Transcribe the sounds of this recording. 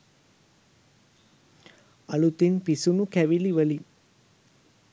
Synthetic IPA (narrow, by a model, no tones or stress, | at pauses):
ɐlut̪inpisunukɛʋiliʋəli